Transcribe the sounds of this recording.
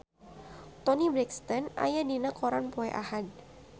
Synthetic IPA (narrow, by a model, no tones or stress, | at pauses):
t̪ɔnibɾɛkst̪ənʔa̰jadinakɔɾanpoeʔahad̚